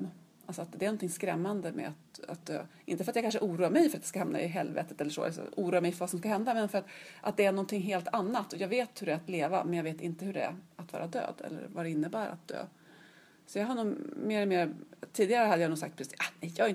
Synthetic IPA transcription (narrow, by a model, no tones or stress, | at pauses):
ʔalsɔat̪d̪ɛæɾnɔnt̪ʰɪŋskɾɛ̰mːand̪əmɛ̰at̪a̰t̪̚d̪ø̰ːʔɪnt̪əfœɾat̪jaɡkanʂəʔuːɾuːaɾmɛjfœɾat̪d̪ɛ̥skahamna̰ɪɦɛlvḛːt̪ət̪ɛlːəʂo̰ːa̰lsɔ̰ʔuːɾuːaɾmɛjfœɾvasɔmskaɦɛnd̪amɛnfœɾat̪ʔat̪̚d̪ɛæɳɔnt̪ʰɪŋɦeːlt̪ʰanːat̪ːɔjɑːɡveːt̪hɵɾɛæɾat̪leːva̰mɛnjɑɡveːt̪ɪnt̪əhɵɖɛæ̰ɾat̪vɑ̰ːɾad̪ø̰ːd̪ɛ̰lːə̰ɾvad̪ɛɪnːəbæːɾa̰t̪̚d̪ø̰ː | sɔjɑːɦanuːmeːɾɛlmeːɾt̪ʰiːd̪ɪɡaɾəhad̪əjanuːɡsa̰kt̪pʰɾɛsanɛjɑɡɪn